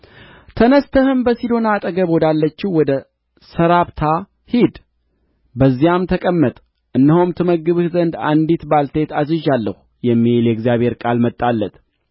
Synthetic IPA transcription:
t̪ʰənəst̪ʰəhɨmbəsid̪o̞nat̪ʼəɡəβɔd̪alːət͡ʃːɪwɔd̪ə | səɾaβt̪ʰa | hid̪ | bəzːijamt̪ʰəkʼəmːət̪ʼ | ʔɨnːəhomt̪ʰɨməɡɨβhzənd̪a̰nd̪it̪balt̪ʰet̪azɨʒalːəhu | jɛmːiljɛɡzijaβhe̞ɾkʼalmət̪ʼːalːət̪

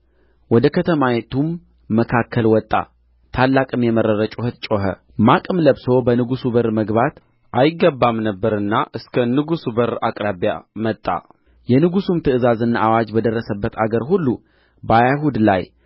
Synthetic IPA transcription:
wɔd̪əkʰət̪ʰəmajet̪ʰumː | əkʰakʰːəlwɔt̪ʼːa̰ | t̪ʰalːakʼɨmjɛmərːəɾət͡ʃʼuhət̪̚t͡ʃʼoɦə̰ | makʼɨmləβso̞bənɨɡusubəɾməɡβat̪ | ʔajɪɡːəbːamnəbːəɾɨnːaʔɨskʰənɨɡusubəɾakʼɾaβjamət̪ʼːa̰ | jɛnɨɡusumt̪ʰɨʔɨzazɨnːaʔawad͡ʒbəd̪ərːəsəbːət̪ʰaɡəɾɦulːu | bajahud̪la̰j

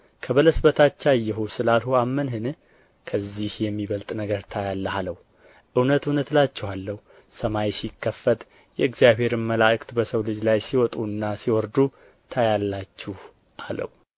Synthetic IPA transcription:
kʰəβələsbət̪ʰat͡ʃːajːɛɦosɨlalhuamːənɦɨn | kʰəzːihjɛmːiβəlt̪ʼnəɡəɾt̪ʰajalːəhaləhu | ʔɨwnət̪ɨwnət̪lat͡ʃːɛhalːəhu | səmajsikːəfət̪ʼ | jɛɨɡzijaβhe̞ɾɨnməlaʔɨkʼt̪bəsəwlɨd͡ʒlajsiwɔt̪ʼuɨnːasiwɔɾd̪u | t̪ʰajalːat͡ʃːɪh | ʔalə̰hu

